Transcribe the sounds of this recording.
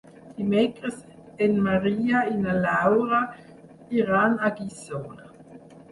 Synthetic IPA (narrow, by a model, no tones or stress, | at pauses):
d̥imɛkʁəs | ɛnmaʁiːainalawʁa | iʁaːnaɡisoːna